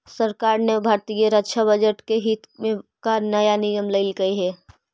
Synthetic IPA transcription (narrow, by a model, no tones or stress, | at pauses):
səɾkaːɾnebʱaːɾt̪ijeɾətːʃʰabəd͡ʒəʈkeɦit̪mẽkanəjanɪjəmləɪlɡəiɦɛː